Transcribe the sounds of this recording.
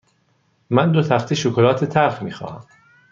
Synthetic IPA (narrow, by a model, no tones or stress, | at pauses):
mænd̪ot̪ʰæχt̪ʰiʃokʰolɒːt̪ʰet̪ʰæɾfmiːxɒ̰ːhæ̰m